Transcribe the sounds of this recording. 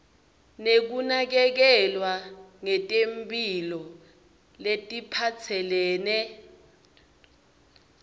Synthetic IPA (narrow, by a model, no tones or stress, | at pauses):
nek̬unak̬ɛk̬ɛlwaŋɛtʼempʼilɔ | letʼipʰat͡sʰɛlɛːnɛ